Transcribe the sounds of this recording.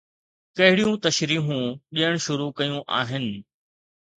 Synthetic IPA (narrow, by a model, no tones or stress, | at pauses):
kɐɦɪɽijũt̪ɐʃɾiːɦũɗijəɽ̃ʃʊɾukɐjũʔa̰ːɦɪnɪ̆